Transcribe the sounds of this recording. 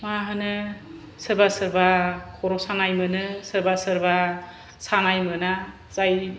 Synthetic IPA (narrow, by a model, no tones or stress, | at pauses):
maɦɯnɯ | sɯɾbasɯɾbakʰɔɾɔsaŋajmɯnɯsɯɾbasɯɾba | saŋajmɯna | zaj